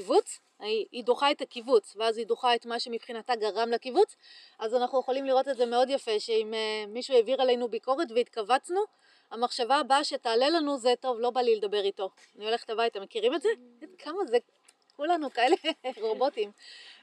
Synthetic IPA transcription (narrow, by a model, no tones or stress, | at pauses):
ivut͡s | idoχaetakivut͡sveazidoχae̞tmaʃemipχinataɡaʁamlakivut͡s | azanaχujeχolimliʁo̞tetzeme̞o̞djafe̞ʃe̞imemːiʃueviʁale̞jnubiko̞ʁe̞tveitkavat͡snu | amaχʃavabaʃetaːle̞lanuzeto̞vlo̞baliledabe̞ʁito̞ | aniole̞χtabajtamekiʁimetze | edkʰamaze | kulanukae̞le̞ʁobo̞tim